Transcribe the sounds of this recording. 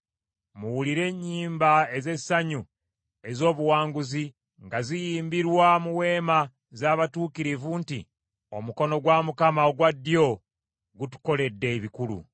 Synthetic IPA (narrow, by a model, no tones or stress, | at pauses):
muwuliɾe̞ːɲːiːmbae̞ze̞saɲu | e̞zo̞ːβuwaːŋɡuzi | ŋɡazijiːmbiɾwamuwe̞ːma | zaːβatuːkiɾivuntḭ | o̞̰muko̞no̞ɡwamukamaoɡwadːjo̞ | ɡutu̥ko̞le̞dːe̞βikulṵ